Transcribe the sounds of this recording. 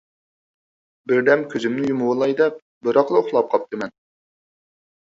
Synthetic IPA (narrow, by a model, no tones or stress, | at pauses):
bɪɾd̪ɛmkʲʰøzymnɪjumʊwəlˠɑjd̪ɛp̚ | bɨɾɑqlˠɨoχlˠɑp̚qʰɑp̚t̪ʰɨmɛn